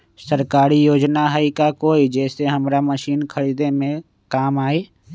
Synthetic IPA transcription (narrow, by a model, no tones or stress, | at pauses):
səɾkaːɾijoːd͡ʒnaɦəikakoːid͡ʒɛːseɦɐmɾaməʃiːnkʰəɾid̪emẽ | kaːmaːeː